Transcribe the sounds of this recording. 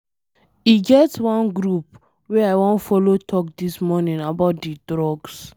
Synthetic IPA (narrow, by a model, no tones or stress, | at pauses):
iɡɛtwãnɡɾup | wɛajwɔ̃nfɔlotʰɔk̚dismɔnĩnabaʊt̚didɹɔɡs